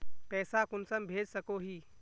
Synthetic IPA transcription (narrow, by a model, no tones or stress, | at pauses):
pɛːsakʊnsəmbʱed͡ʒsəkoɦiː